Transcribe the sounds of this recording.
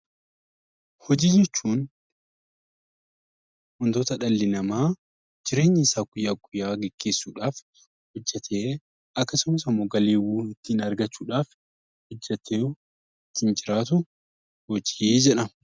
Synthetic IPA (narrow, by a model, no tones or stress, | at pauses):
hɔd͡ʒiːd͡ʒɛt͡ʃːuːn | hɔnt̪oːt̪ɐᶑɐlːɪnɐmaː | d͡ʒɪɾe̞ːɲːɪɪsaːɡʊjːaːɡʊjːaːɡɛɡ̥ːe̞ːsːuːᶑaːf | hɔd͡ʒːɛt̪ʰeː | ɐkːɐsʊmɐsɐmːoɡɐleːwuːɪt̪ːiːnɐɾɡɐt͡ʃːuːᶑaːf | hɔd͡ʒːɛt̪eː | ɪt̪ːɪnd͡ʒɪɾaːt̪̬ʊ | wɔd͡ʒiʔeːd͡ʒɛᶑɐ